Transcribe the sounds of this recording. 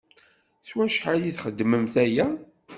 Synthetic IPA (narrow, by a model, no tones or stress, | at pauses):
θwæʃħaliθχəd̪ːməmθæjæ